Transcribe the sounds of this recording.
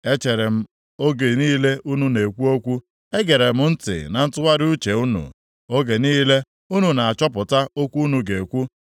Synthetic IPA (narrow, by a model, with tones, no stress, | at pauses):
e˦t͡ʃe˨ɾe˨m̩˦ | o˦ɡe˨niː˦le˦u˦nu˦ne˨kʷu˦o˦kʷu˦ | e˦ɡe˨ɾe˨m̩˦n̩˦tɪ̰˨na˨n̩˦tʊ˦wa˦ɾɪ˦u˦t͡ʃe˨u˦nṵ˨ | o˦ɡe˨niː˦le˦ | u˦nu˨na˨a˨t͡ʃɔ˦pʊ˨ta˦o˦kʷu˦nu˨ɡe˨kʷu˦